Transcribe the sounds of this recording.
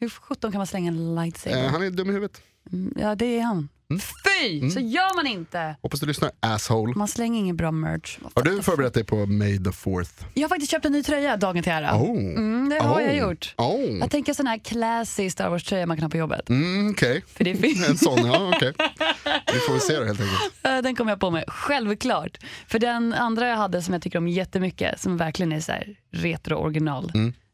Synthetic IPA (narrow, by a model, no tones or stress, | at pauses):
hɵɧɵt̪ːɔnkʰanmanslɛŋːaɛnlaɪt̪sɛ̰ɦanɛd̪ɵmːɪhʉ̟vət̪ | jɑ̰ːd̪ɛɛɾhan | fyːsɔjœːɾmanɪnt̪əhɔpːasd̪ɵlʏsnaɾæshoʊlmanslɛŋːəɾɪŋːənbɾɑːmœ̰ːhaɖɵfœːɾbɛɾɛt̪̚d̪ɛjpʰɔmɛjd̪ɔfɔ̰ɾθjɑhaɾfak̚t̪ɪst̪ɕœːp̚t̪ɛnːyːt̪ʰɾœjːad̪ɑːɡənt̪ʰɪlhæːɾa̰od̪ɛhajajʊʈːojɑːɡt̪ʰɛŋkəsɔnhæːɾkʰlasɪskst̪ɑ̰ɾwɔːʂtʰɾœjːamankʰanhɑːpʰɔjɔbːə̰t̪̩ɔkʰejfœɖɛfɪɛnssɔnɑɔkʰe | ɪfoːvɪseːd̪ɛheːlt̪ʰɛ̃ŋkətɛd̪ɛnkʰɔmːəjapɔmɛɧɛlvkʰlɑːʈfœɖɛnand̪ɾajahad̪ːəsɔmjat̪ʰʏkːəɾɔmjɛt̪ːəmʏkːə̰sɔmvæɾklɪɡənæsɔæ̰ːɾɾeːt̪ɾʊʔɔ̰ɾɡɪnɑːlm̩ː